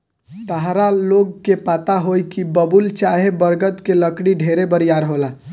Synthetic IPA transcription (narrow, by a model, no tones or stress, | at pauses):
t̪əɦɾaloɡ̚kepat̪aɦojkibəbult͡ʃaɦebəɾɡət̪keləkɽiɖʱeɾebəɾijaɾɦola